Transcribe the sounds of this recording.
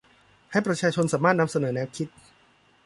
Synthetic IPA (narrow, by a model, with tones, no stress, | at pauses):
ha˥˩jpɾa˧t͡ɕʰaː˧t͡ɕʰo˧nsaː˩˦maː˥˩t̪̚na˧msa˧nɤː˩˦nɛː˦˥wkʰi˦˥t̪̚